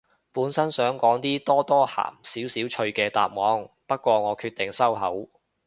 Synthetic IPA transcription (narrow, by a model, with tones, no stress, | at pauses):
puː˨˥nsɐ˥nsœː˨˥ŋkɔː˨˥ŋt̪iː˥t̪ɔː˥t̪ɔː˥ha̰ː˨˩msiː˨˥wsiː˨˥wt͡ʃʰɵ˧ɥkɛː˧t̪a̰ː˨p̚mɔː˨˥ŋ | pɐ˥t̚kʷɔː˧ŋɔː˨˧kʰyː˧t̪̚ɪ˨˩ŋsɐ˥wɦɐ˨˥w